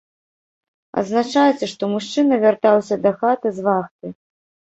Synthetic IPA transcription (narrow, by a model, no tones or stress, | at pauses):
ɐ̰d̪znat͡ʂajt͡sʲɛʂt̪ɔmuʂt͡ʂɨnɐvʲart̪awsʲɐd̪ɐxat̪ɨzvaxt̪ɨ